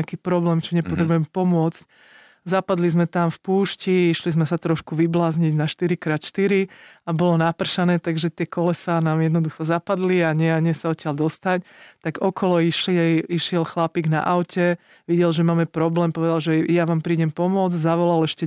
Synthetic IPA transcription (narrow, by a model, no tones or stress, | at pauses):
akiːpɾɔblɛːmt͡ʃɔɲɛpɔt̪ɾɛbujɛmpɔmʊɔt͡sc̚ | zapad̪lizmɛt̪amfpuːʃciiʃlizmɛsat̪ɾɔʃkuʋiblaːzɲiɟnaʃt̪iɾikɾaːt̪ʃt̪iɾiabɔlɔnapr̩ʃanɛːt̪aɡʒɛt̪ɪɛkɔlɛsanaːmjɛd̪nɔd̪uxɔzapad̪liaɲɪɛaɲɪɛsaɔt̪ɪald̪ɔst̪aɲt̪aɡɔkʰɔlɔiʃliɛiʃɪɛlxlapiːɡna̰ʔaʊcʰɛ | ʋiɟɛlʒɛmaːmɛpɾɔblɛːmpɔʋɛd̪alʒɛjaʋaːmpɾiːɟɛmpɔmʊɔd͡zzaʋɔlalɛʃcɛ